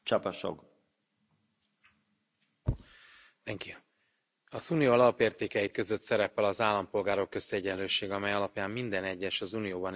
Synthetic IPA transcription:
t͡ʃɒpɒʃo̰ɡ | d̪ɛŋki | ɒzuːnijoɒlɒpeːrt̪eːkɛjikø̞zø̞t̪sɛɾɛpɛlɒzaːlːɒmpo̞lɡaːɾo̞kːø̞st̪iɛɟɛnløːʃeːɡɒmɛjɒlɒpjaːmːind̪ɛnɛɟːɛʃɒzunijoːbɒn

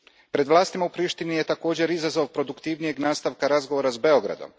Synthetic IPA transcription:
pɾe̞d̪ʋlaːst̪imaupɾiːʃt̪inijet̪ako̞ːd͡ʑe̞ɾizazo̞ʋpɾo̞d̪ukt̪iʋnije̞ɡnaːst̪aʋkaɾazɡo̞ʋoɾazbe̞o̞ɡɾa̰d̪o̞̰m

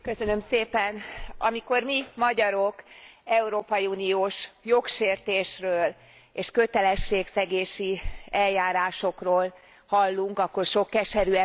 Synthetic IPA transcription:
kø̞sø̞nø̞mseːpɛnʔɒmiko̞rmimɒɟɒɾo̞kɛuɾoːpɒjiuːnioːʃjo̞kʃeːrt̪eːʃrøːl | eːʃkø̞t̪ɛlɛʃːeːksɛɡeːʃiɛljaːɾaːʃo̞kroːl | hɒlːuŋkɒkːo̞rʃo̞kːɛʃɛɾyɛ

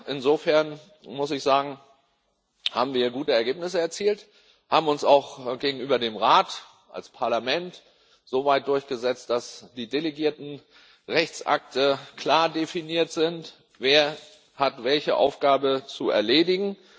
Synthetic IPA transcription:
ʔɪnzoːfɛɐn | mʊsɪçz̥aːɡŋ̩ | haːbm̩viːɐɡuːtəɛɐɡeːpnɪsəɛɐt͡siːlt | haːbm̩ʊnsaʊxɡ̥eːɡŋ̩ʔyːbɐdeːmʁaːt | ʔa̰lspʰaɐlamɛnt | z̥oːvaɪt̚d̥ʊɐçɡ̥əzɛt͡st̚d̥asd̥iːdeleɡiːɐtn̩ | ʁɛçt͡sʔa̰k̚təkl̥aːɐdefiniːɐtz̥ɪnt | veːɐ | hatv̥ɛlçəʔa̰ʊfɡ̥aːbət͡suɛ̰ɐleːdɪɡŋ̩

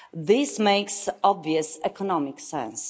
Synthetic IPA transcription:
ðɪsmeɪksɔbviəsɛkʰɔnɔmɪksɛ̰̃ns

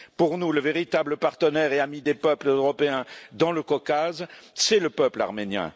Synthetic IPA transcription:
puʁnuləveʁit̪abləpaʁt̪ənɛʁeamid̪epœpləøʁɔpeɛ̃d̪ɑ̃ləkɔkazsɛləpœpla̰ʁmenjɛ̰̃

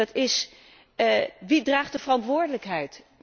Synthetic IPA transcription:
ɑtɪs | ʋidraːχ̚dəvərɑntʋʊːɹdələkɦɛjt

